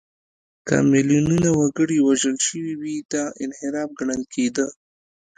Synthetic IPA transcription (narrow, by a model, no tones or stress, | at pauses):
ka̰mɪljununawaɡəɽiwaʒəlʃəwiwid̪aʔɪnhɪɾɑfɡɳəlkʰed̪ə